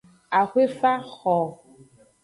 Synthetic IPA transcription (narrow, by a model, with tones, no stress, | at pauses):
a˨xwe˦fa˦xɔ˨